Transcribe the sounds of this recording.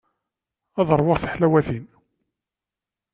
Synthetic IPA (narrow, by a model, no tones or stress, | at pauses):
ɑðˤəɾˤwəʁθə̥ħlæwæθin